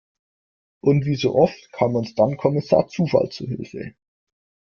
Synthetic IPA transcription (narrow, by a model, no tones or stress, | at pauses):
ʔʊntv̥iːzo̰ːʔɔftkʰaːmʊnsd̥ankʰɔmɪsa̰ːɐt͡suːfa̰lt͡suɦɪlfə̰